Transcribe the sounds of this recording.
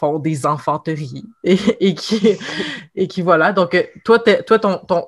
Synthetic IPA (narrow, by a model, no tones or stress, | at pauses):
fɔ̃d̪ezɛ̃fɑ̃t̪əʁieekʲʰi | ekʲivwalad̪ɔ̃kt̪wat̪ɛt̪wat̪ɔ̃t̪ɔ̃